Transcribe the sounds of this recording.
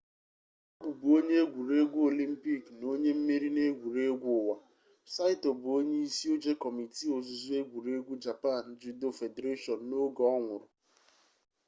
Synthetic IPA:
o˦ɡu˨bʊ˨o˦ɲe˦e˦ɡʷu˨ɾe˦ɡʷu˦o˨li˦m̩˦pi˦˨kno˦ɲe˦m̩˦mi˦ɾi˦ne˦ɡʷu˨ɾe˦ɡʷʊ˦ʊ˨wa˨ | sa˦ɪ˦to˨bʊ˨o˦ɲe˦i˦si˦o˦d͡ʒe˦kɔ˨mi˨ti˦o˨zʊ˨zu˦e˦ɡʷu˨ɾe˦ɡʷu˦d͡ʒa˨pa˦˨n̩˨d͡ʒi˦do˦˨fe˨de˨ɾe˦ʃɔ˨n̩ː˨o˦ɡɔ˨˦ɔ˦ŋʷʊ˨ɾʊ˨

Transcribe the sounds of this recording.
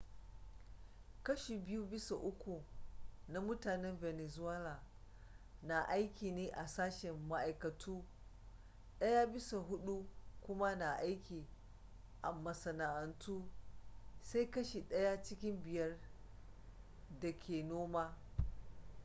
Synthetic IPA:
kɐ˦ʃi˨bɪ˦ju˦bɪ˦sa˨ʔʊ˦kʷu˨na˦mʊ˦taː˨nɛ˦mvɛ˨nɛ˨zʊ˦a˦laː˨ | na˨ʔa˦jkʲiː˨neː˦ʔa˨saː˦ʃɛ˨mːa˦ʔa˨jkɐ˨tʰuː˦ | ɗɐ˦ja˦bɪ˦sa˨ɦʊ˦ɗu˦kʷʊ˦ma˦na˨ʔa˦jkʲiː˨ | ʔa˨mɐ˨sɐ˨na˨ʔɐ˨ntuː˦ | sa˦jkɐ˦ʃi˨ɗɐ˦ja˦t͡ʃɪ˦kʲɪ˦mbɪ˨jɐ˦r | dɐ˨kʲʰeː˨noː˦maː˦

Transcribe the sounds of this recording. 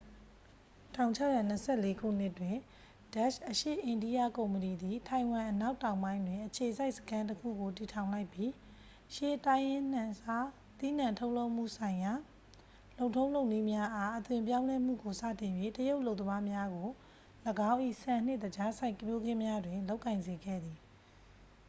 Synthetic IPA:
tʰã˨ʊ̃ɲt͡ɕʰa˦˨ja˨n̥əsʰɛ˦˨le˦kʰṵ˦˨n̥ɪ˦ʔtwɪ̃˨ | d̥a˦ʃʔəʃḛ˦˨ʔɪ̃˨ndi˦ja˦kõ˨ʊ̃mpəni˨d̪i˨tʰã˨ɪ̃wã˨ʔəna˦ʊtːã˨ʊ̃mbã˦ɪ̃ndwɪ̃˨ʔət͡ɕʰe˨za˦ɪʔsə̥kʰã˦ntəkʰṵ˦˨ɡo˨ti˨tʰã˨ʊ̃la˦ɪpji˦ | ʃe˨tã˦jɪ̃˦˨a˦ | t̪i˦n̥ã˨ntʰo˦ʊʔlo˦ʊʔm̥ṵ˦˨sʰã˨ɪ̃ja˨ | lo˨ʊ̃tʰõ˦ʊ̃lõ˦ʊʔni˦mja˦ʔa˦ʔət̪wɪ̃˨mp̬jã˦ʊ̃lɛ˦m̥ṵ˦˨ɡo˨sa̰˦˨tɪ̃˨jwe˦təjo˦ʊʔlo˦ʊt̪̬ːəma˦mja˦ɡo˨ | ləɡã˦ʊ̃ʔḭ˦˨sʰɛ̃˨n̥ɪ˦ʔdəd͡ʑa˦sʰa˦ɪ̃kəmjo˦ɡɪ̃˦mja˦dwɪ̃˨lo˦ʊkːã˨ɪ̃nze˨ɡɛ̰˦˨d̪i˨

